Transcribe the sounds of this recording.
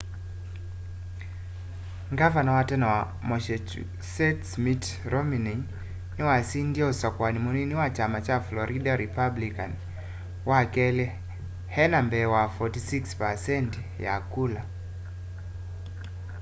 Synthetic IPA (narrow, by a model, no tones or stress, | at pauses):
ŋɡavanawatɛnawa | mɔʃɛt͡ʃu | sɛtsmitɾɔmini | niwasindiaɔsakwanimuniniwat͡ʃamat͡ʃaflɔɾʔidaɾipablika̰n | wakɛlɛ | hɛnambɛwafɔtisikspasɛnt | ja̰kula